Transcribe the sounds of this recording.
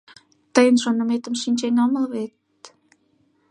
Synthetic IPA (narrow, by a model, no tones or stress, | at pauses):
t̪əjənʃonə̆met̪əmʃinʲt͡ɕenɑməlβet̪̚